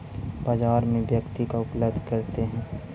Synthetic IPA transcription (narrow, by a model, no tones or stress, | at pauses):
baːd͡ʒaːɾmẽʋjəkt̪ikaʊpləbd̪ʱkɐɾt̪eɦɛ̃ː